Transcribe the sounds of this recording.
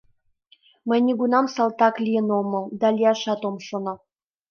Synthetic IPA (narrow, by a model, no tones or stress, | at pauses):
məjnʲiɡunɑmsɑlt̪ɑklʲijə̆nomɤ̆lˠd̪ɑlʲiɑʃɑt̪omʃonɤ